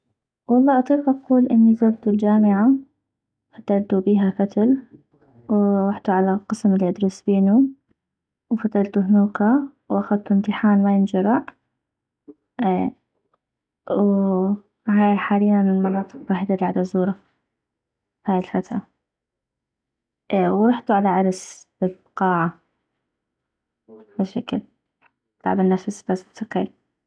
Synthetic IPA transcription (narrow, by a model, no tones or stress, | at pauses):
wɑlˤːɑːʔɑt̪ˤiːqʔɑquːlʔɪnːizabt̪uld͡ʒaːmɪʕa | fat̪ːalt̪ubiːɦafat̪al | wɾˤɑħt̪uʕalaqɨsmɪlːiʔɑd̪ɾɑsbiːnu | wfat̪alt̪uɦnuːqa | wʔaxad̪̚t̪umt̪ɪħaːnmajɪnd͡ʒɑɾˤɑʕ | w | ɦaːjħaːlɪjːanɪlmɑnɑːt̪ˤɨq̚waːħid̪aɡaʕd̪azuːɾˤɑ | fhaːjɪlfat̪ɾa | ʔwɾˤɑħt̪uʕalaʕɑɾˤsb̥ɪlbqɑːʕa | bɪʃakl | t̪a̰ʕbɪnːafsbast̪aqɪ̰l